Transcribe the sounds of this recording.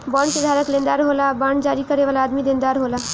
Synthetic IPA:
baɳked̪ʱaɾəklẽnd̪aɾɦolabaɳɖd͡ʒaɾikəɾeʋalaːd̪mid̪ẽnd̪aɾɦola

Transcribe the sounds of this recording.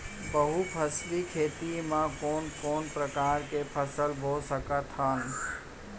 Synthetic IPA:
bəɦupʰəslikʰeːt̪imãkoːnkoːnpɾəkaːɾkepʰəsəlbʱosəkət̪ɦən

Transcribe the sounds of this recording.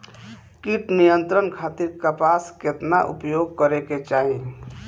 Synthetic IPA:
kiʈnijənt̪ɾənkʰat̪iɾkəpasket̪naʔṵpjoɡ̚kəɾeket͡ʃaɦi

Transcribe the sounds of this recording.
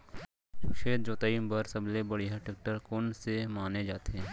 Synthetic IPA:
ʊʃeːd̪̚d͡ʒoːt̪aːimbəɾsɐblebɐɽiɦaʈɪk̚ʈəɾkoːnsemaːned͡ʒaːt̪eɦɛ̃ː

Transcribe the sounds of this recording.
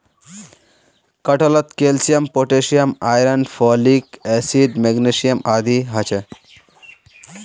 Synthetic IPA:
kɐʈɐlɐt̪keːlsijɐmpoʈesijɐmaːjɾɐnɖfʰɔːlikesiɖmeɡnesijɐmaːd̪ʱiɦɐt͡ʃʰe

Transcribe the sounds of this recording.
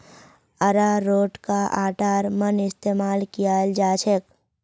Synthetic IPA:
əɾaɾoːʈkaʔaːʈaːɾmənɪst̪eːmaːlkijaːld͡ʒaːt͡ʃʰek

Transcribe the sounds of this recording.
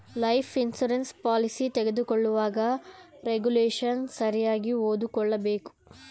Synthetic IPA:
lɐjpʰinsuɾenspaːlisit̪eɡe̞d̪ukɔɭːuʋaːɡɐɾeɡuleːʃɐnsɐɾijaːɡiɦoːd̪ukɔɭːɐbe̞ːku̥

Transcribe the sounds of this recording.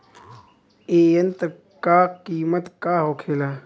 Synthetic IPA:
eːjənt̪ | kaːkiːmət̪kaːɦoːkʰeːlaː

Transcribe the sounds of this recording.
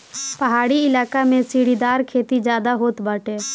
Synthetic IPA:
pəɦaːɽiɪlaːkamẽsiːɽid̪aːɾkʰeːt̪id͡ʒjaːd̪aɦoːt̪bəːʈeː

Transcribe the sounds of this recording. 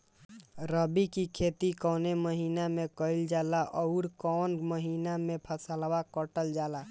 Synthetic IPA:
ɾəbikikʰet̪ikɔːneməɦiːnamekəild͡ʒalaʔɔʊɾkɔnməɦinamẽpʰəsəlwakəʈəld͡ʒaːla

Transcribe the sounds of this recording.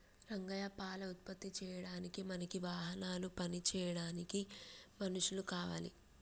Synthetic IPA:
ɾɐŋɡɐjɐpaːlɐut̪̚pɐt̪ːit͡ʃɛːjɐɽaːnikimɐnɐkiʋaːɦɐnaːlupɐnit͡ʃɛːjɐɽaːnikimɐnuʂulukaːʋa̰ːlḭ

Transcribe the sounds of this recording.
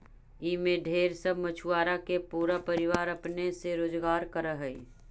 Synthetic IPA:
iːmẽɖʱeːɾsəbʱmɐt͡ʃʰuaːɾakepuːɾapɐɾɪʋaːɾɐpneseɾoːd͡ʒɡaːɾkəɾəɦəi

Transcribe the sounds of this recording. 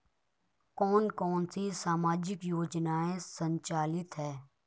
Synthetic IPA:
kɔːnkɔːnsisaːmaːd͡ʒɪkjoːd͡ʒnaːẽsə̃ɲt͡ʃaːlɪt̪ɦɛː

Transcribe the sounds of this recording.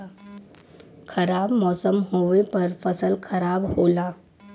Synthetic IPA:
kʰɐɾaːbmɔːsəmɦoːʋepɐɾfɐsəlkʰɐɾaːbhoːlaː

